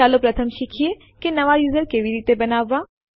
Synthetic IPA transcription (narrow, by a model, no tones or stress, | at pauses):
aːlopɾɐt̪ʰəmʃɪkʰije | kenɐʋajuːzəɾkeːʋiɾiːt̪ebɐnaːʋːaː